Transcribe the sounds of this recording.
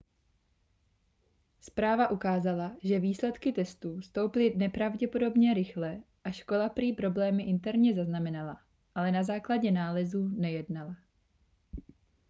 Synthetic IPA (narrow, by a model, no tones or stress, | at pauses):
spɾaːvaʔukaːzalaʒɛviːslɛt̪kɪt̪ɛst̪uːst̪o̞wpɪlɪnɛpɾavɟɛpo̞do̞bɲɛɾɪxlɛ | ʔaʃko̞lapɾiːpɾo̞blɛːmɪʔɪnt̪ɛɾɲɛzaznamɛnala | ʔalɛnazaːklaɟɛnaːlɛzuːnɛjɛdnala